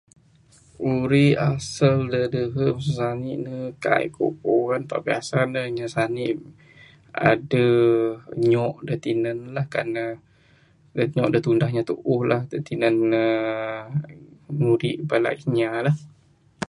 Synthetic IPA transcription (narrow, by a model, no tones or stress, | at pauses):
uɾiasəldədəɦəmsəsaniʔnəka̰jkʰo̰poanp̪a̰ʔbia̰sanəɲasaniʔ | a̰də | ɲɔʔdət̪inənlahkanə | dəɲɔʔdət̪undahɲat̪uʔʊhlahdət̪inənə | nudiʔbala̰ʔɲalah